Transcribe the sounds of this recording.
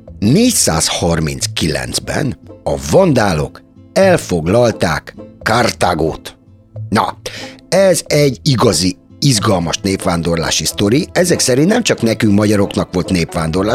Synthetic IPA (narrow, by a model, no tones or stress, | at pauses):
neːcsa̰ːshɒrmḭnskilɛ̰nd̪z̥bɛ̰nɒvɒnd̪aːlo̞̰k | ɛlfo̞ɡlɒlt̪aːkːart̪aːɡo̰ːt̪ | nɒ̰ | ɛzɛɟːiɡɒziizɡɒlmɒʃneːpʋaːnd̪o̞rla̰ːʃist̪o̞ɾiɛzɛksɛɾint̪nɛmt͡ʃɒknɛkyŋkmɒɟɒɾo̞knɒkʋo̞lt̪neːpʋaːnd̪o̞rlaː